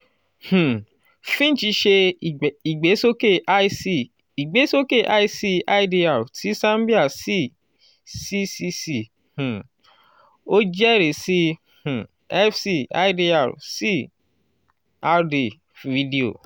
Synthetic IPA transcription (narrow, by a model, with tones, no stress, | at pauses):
h̩˨ | fĩ˦t͡ʃi˧ʃe˧˨i˨ɡ͡be˨˦so˦ke˦˨ʔa˦si˦˨ | i˨ɡ͡be˨˦so˦ke˦˨ʔa̰˦i˦si˧a˦i˨˦di˧a˦˨ti˨˦sã˦mbi˦a˦˨si˦ | si˦si˧si˧˨ | h̩˨ | o˦d͡ʒɛ˦ɾe˨si˦ | h̩˨ | ɛ˦fsi˦˨a̰˦di˧a̰˨si˦ | a˧de˨ | vi˧˦di˨o̰˨